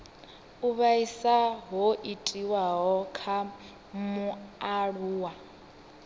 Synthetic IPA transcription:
uβaisaɦoʔitʼiwaɦɔkʰa | muaɺuːwa

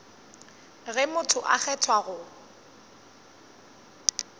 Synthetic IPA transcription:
ɣɛmʊtʰʊʔak͡xɛtʰwaɣʊ

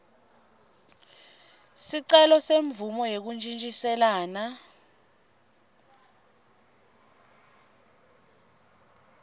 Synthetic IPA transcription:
siǀɛlɔseɱvumɔjek̬und͡ʒʼint͡ʃʼisɛlaːna

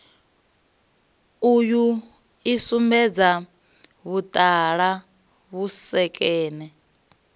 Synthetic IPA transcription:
uju | isumbɛd͡za | βut̪ʼaɺa | βusɛkʼɛːnɛ

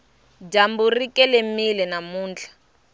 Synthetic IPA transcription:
d͡ʒamburikɛlemilɛnamuːnt͡ɬʰḁ

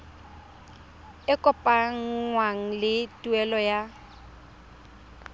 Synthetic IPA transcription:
ɪkʼɔpʼaŋ̩ŋwaŋ̩lɪtʼuɛlɔja

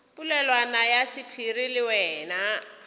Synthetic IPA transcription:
pulɛlwanajasɪpʰirilɪwɛːna

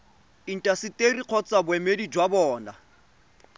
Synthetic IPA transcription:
in̩tʼasɪtʼeriq͡χʰɔt͡sʼabʊɛmedid͡ʒwabɔːna

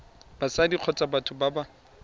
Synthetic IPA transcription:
b̥asadiq͡χʰɔt͡sʼabatʰʊbaba

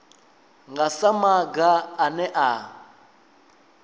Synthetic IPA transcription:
ŋɡasamaɡaːnɛʔa

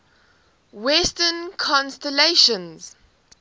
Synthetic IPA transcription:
wɛstənkʰɔ̃nstɛleʃə̃nz̥

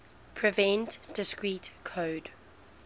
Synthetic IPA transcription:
pʰɹivɛ̃ntd̥ɪskɹiːtkʰoːd

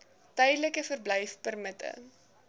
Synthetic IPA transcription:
tɛjdələkəfərblɛjfpərmətə̰

